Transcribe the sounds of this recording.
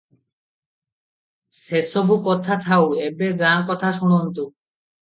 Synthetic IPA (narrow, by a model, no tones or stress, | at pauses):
sesobʱukɔt̪ʰat̪ʰawebeɡɾaŋkɔt̪ʰaʃuɽ̃ont̪u